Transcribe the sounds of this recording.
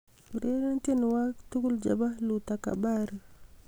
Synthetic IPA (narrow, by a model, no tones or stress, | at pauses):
ɾeɾantenwaktukuld͡ʒa̰balutaka̰baɾi